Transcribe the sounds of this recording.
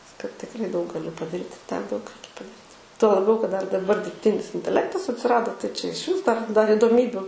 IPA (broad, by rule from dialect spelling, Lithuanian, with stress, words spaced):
kɐt tʲɪkˈrɐɪ dɐʊk ɡɐˈlʲɪ pɐdɐˈrʲiːt ɪ tʲɛn dɐʊk ˈrʲɛɪkʲɛ pɐdɐˈrʲiːt ˈtuɔ lˠɐˈbʲɛʊ kɐt ˈdɐr dɐˈbɐr dʲɪrʲpʲˈtʲɪnʲɪs ɪnʲtʲɛˈlʲæːktɐs ɐtʲsʲɪˈrɑːdoː tɐɪ t͡ʃʲɛ ɪʃʲˈʋʲɪs dɐr dɐr ɪdoːˈmʲiːbʲʊ